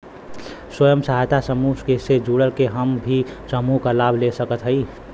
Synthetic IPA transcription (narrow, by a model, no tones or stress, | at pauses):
swəjəmsəɦajt̪asəmuskesed͡ʒuɽəlkeɦəmbʱisəmukalabʱlesəkət̪ɦəɪ